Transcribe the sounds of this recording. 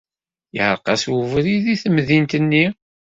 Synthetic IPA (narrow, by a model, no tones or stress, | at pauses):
jʕəɾˤqɑswuvɾiðiθəmðint̪ənːi